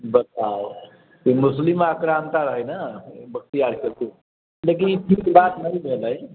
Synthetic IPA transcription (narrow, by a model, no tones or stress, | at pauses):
bət̪ao | t̪imuslimakɾamt̪aɾəɦəjnəbək̚t̪ijaɽkəɾku | lek̬iniʈʰikbat̪nəjbʱeləj